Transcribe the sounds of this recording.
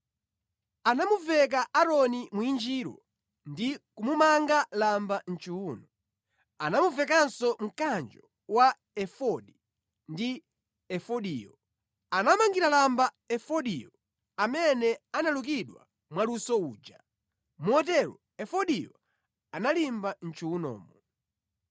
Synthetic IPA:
anamuvɛk̬aʔaɾɔnimuind͡ʒiːɾɔ̰ | ndikumumaŋɡalamban̩t͡ʃuuːnɔ | anamuvɛk̬ansɔm̩kand͡ʒɔ | wa | ɛfɔɗi | ndi | ɛfɔɗiːjɔ | anamaŋɡiɾalamba | ɛfɔɗijɔ | amɛnɛanaluk̬iɗwa̰ | mwalusɔuːd͡ʒa̰ | muɔtɛɾɔ̰ | ɛfɔɗijɔ | analimban̩t͡ʃuunɔ̰ːmɔ

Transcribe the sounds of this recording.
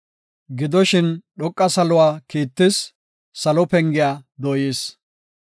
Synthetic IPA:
ɡɪd̪ɔʃɪnɗɔkʼːɐsɐlʊwaːkiːt̪ːɪsː | ɐlɔpɛŋɡɪjaːd̪ɔːjeːs

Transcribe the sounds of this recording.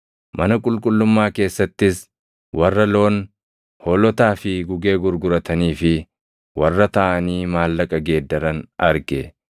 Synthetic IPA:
mʔɐnɐkʼʊlkʼʊlːʊmːaːke̞ːsːɐt̪ːɪs | wɐrːɐlo̞ːn | hɔlɔt̪aːfɪɡʊɡe̞ːɡʊɾɡʊɾɐt̪ɐniːfɪ | wɐrːɐt̪ɐʔɐniːmaːlːɐkʼɐɡe̞ːd̪ːɐɾɐnɐɾɡɛ

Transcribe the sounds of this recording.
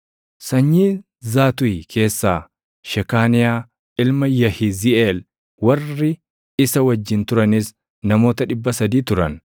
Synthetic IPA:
sɐɲːiː | zaːt̪ʊjkʰe̞ːsːaː | ʃɛkaːnɪjaː | ɪlmɐjɐhɪziʔeːl | wɐrːɪ | ɪsɐwɐd͡ʒːɪnt̪ʊɾɐniːs | nɐmo̞ːt̪ɐᶑɪbːɐsɐd̪iːt̪ʊɾɐn

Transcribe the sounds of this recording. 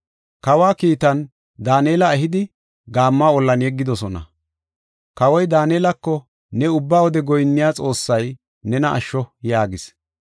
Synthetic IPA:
kɐwaːkiːt̪ɐn | d̪aːneːlɐɛɦɪd̪ɪ | ɡaːmːaːɔlːɐnjɛɡːɪd̪ɔsɔnɐ̰ | kɐwɔjd̪aːneːlɐkːɔ | nɛʊbːaːwɔd̪ɛɡɔjnːɪjaːt͡sʼo̞ːsːɐj | nɛnɐʔɐ̰ʃːɔjaːɡɪs

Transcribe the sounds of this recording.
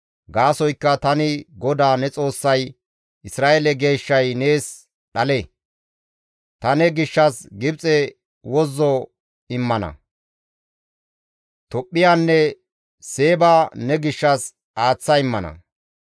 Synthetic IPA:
ɡaːsɔjkːɐt̪ɐnɪɡɔd̪aːnɛt͡sʼo̞ːsːɐj | ʔɪsɾaːʔɛlɛɡe̞ːʃːɐjne̞ːs | ɗɐlɛ | t̪ɐnɛɡɪʃːɐsɡɪbt͡sʼɛ | wɔzːɔ | ɪmːɐnɐ̰ | t̪ɔpʼːɪjaːnːɛ | se̞ːbaːnɛɡɪʃːɐs | aːt͡sːɐɪmːɐnɐ̰

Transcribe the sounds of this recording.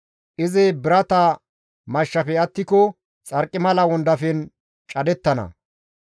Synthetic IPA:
ʔɪzɛbɪɾɐt̪ɐ | mɐʃːɐfɛɐt̪ːɪkɔ | t͡sʼɐɾkʼːɪmɐlɐwɔnd̪ɐfɛn | t͡ʃʼɐd̪ɛt̪ːɐnɐ̰

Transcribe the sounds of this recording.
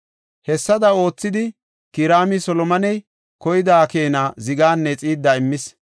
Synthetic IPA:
hɛsːɐd̪ɐo̞ːt͡sːɪd̪ɪ | kɪɾaːmɪsɔlɔmɐnɛj | kɔjɪd̪aːke̞ːnazɪɡaːnːɛt͡sʼiːd̪ːaɪmːɪs

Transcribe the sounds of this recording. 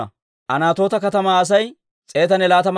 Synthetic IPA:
ɐ̰ | ʔɐnaːt̪o̞ːt̪ɐkɐt̪ɐmaɐs̬ɐj | t͡sʼe̞ːt̪ɐnɛlaːt̪ɐm

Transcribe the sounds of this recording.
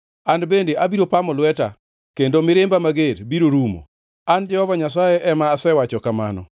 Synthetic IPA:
anbendeabiɾopamɔlwɛta̰ | kendomɪɾembamaɡeɾbiɾoɾumo̰ | and͡ʒɛhɔvaɲas̬ajeʔɛmaːsɛwat͡ʃɔkama̰nɔ̰

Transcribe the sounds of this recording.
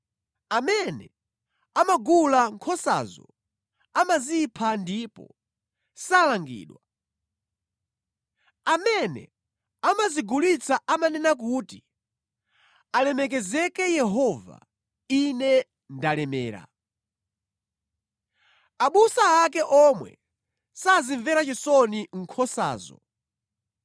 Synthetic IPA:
amɛnɛ | amaɡulaŋkʰɔsa̰zɔ̰ | amazipʰandiːpɔ̰ | salaŋɡḭːɗwa | amɛnɛ̰ | amaziɡulit͡sʰaʔamanɛnakuːti | alɛmɛk̬ɛzɛkɛjɛɦɔva̰ | inɛ | ndalɛmɛːɾa̰ | aɓusaakɛʔɔmwɛ̰ | saziɱvɛɾat͡ʃisɔniŋ̩kʰɔsa̰ːzɔ̰

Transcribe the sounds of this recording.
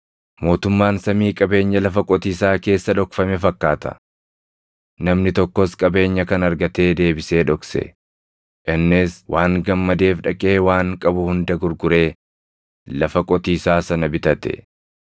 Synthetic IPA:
mo̞ːt̪ʊmːaːnsɐmiːkʼɐbe̞ːɲːɐlɐfɐkʼɔt̪iːsaːke̞ːsːɐᶑɔkfɐmɛfɐkːaːt̪ɐ̥̰ | nɐmnɪt̪ɔkːɔskʼɐbe̞ːɲːɐkɐnɐɾɡɐt̪e̞ːd̪e̞ːbɪse̞ːᶑɔksɛ̰ | ʔɪnːɪswʔaːŋɡɐmːɐd̪e̞ːfᶑɐkʼe̞ːwaːŋkʼɐbʊhʊnd̪ɐɡʊɾɡʊɾe̞ː | lɐfɐkʼɔt̪iːsaːsɐnɐbɪt̪ɐt̪ɛ̰

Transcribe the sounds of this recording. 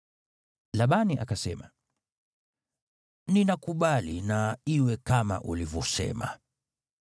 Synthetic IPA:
laɓaniʔa̰kasɛ̰ma | ninakuɓalinaiwɛkama̰ʔulivɔsɛ̰ma̰

